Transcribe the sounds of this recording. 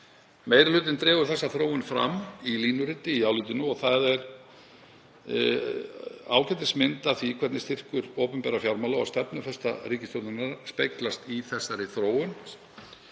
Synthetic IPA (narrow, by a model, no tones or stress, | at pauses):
meːjɾɪlʏːt̪ɪnt̪ɾɛːvʏɾ̥θɛsːaθɾoːwɪnfɾa̰mːiliːnʏɾɪt̪ɪiaːwlʏt̪ɪnʏɔɣθaðɛɾ | aːwcɛt̪ɪsmɪnt̪aθikʰvɛɾt̪nɪst̪ɪr̥kʏɾoːpʏmpɛːɾafjawɾmalaɔ̰st̪ɛpnʏfɛst̪a̰ɾiːcɪst̪owt̪nɪnaɾspejklast̪iθɛsːaɾɪθɾoːwʏn